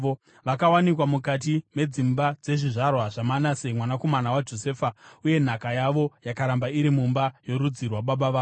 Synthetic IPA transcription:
o | ʋakawanikwamukat̬ime̞d͡zimbad͡ze̞ʐiʐarwaʐ̥amanase̞mwanako̞manawad͡ʒo̞se̞ːfauje̞n̤akajaʋo̞jakaɾambaiɾimumbajo̞ɾud͡zirwaɓaɓaʋaː

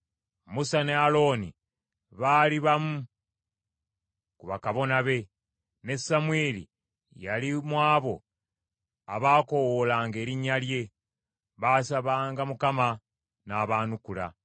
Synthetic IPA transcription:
musanealo̞ːnḭ | βaːliβamu | kuβakaβo̞naβe̞ | ne̞sːamweːlḭ | jalimwaːβo̞ | a̰βaːko̞wolaːŋɡe̞ːɾiɲːalje̞ | βaːsaβaːŋɡamukama | naːβaːnukula̰

